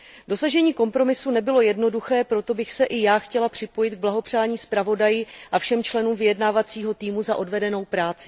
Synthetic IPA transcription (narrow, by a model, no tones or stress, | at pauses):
do̞saʒɛɲiːko̞mpɾo̞mɪsunɛbɪlo̞jɛdno̞duxɛːpɾo̞t̪o̞bɪxsɛʔɪjaːxcɛlapr̝̥ɪpo̞jɪt̪̚ɡ̚blaɦo̞pr̥aːɲiːspɾavo̞dajɪʔafʃɛmt͡ʃlɛnuːmvɪjɛdnaːvat͡siːɦo̞t̪iːmuzaʔo̞dvɛdɛno̞wpɾaːt͡sɪ̥